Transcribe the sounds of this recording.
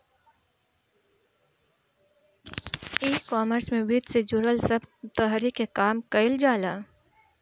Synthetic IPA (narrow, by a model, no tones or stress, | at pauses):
iːkɔːməɾsmẽʋiːt̪sed͡ʒuɾəlsɐbt̪əɦɾikekaːmkɐɪld͡ʒaːlaː